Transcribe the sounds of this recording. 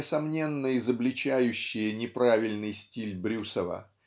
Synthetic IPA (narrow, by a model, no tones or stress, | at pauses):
əsɐmnʲe̞nːəjɪzəblʲɪt͡ɕæjʉɕːɪjənʲɪpɾavʲɪlʲnɨjsʲtʲilʲbɾʲusəvə̰